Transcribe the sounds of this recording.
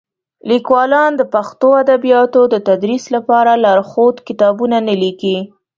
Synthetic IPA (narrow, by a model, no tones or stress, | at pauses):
likwɑlɑnd̪əpaxt̪oad̪abijɑt̪od̪ət̪ad̪ɾislapɑɾalaɾxot̪kɪt̪ɑbunanəliki